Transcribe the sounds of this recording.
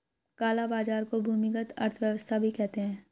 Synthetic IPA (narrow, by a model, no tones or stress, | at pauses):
kaːlabaːd͡ʒaːɾkobʱuːmɪkət̪ɐ̰ɾt̪ʰʋjəʋəst̪ʰabʱikɛɦt̪eɦɛ̃ː